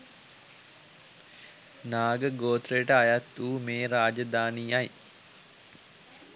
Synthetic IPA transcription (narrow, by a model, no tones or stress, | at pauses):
naːɡəɡoːt̪ɾəjəʈəajat̪ːuːmeːɾaːd͡ʒəd̪aːniːaj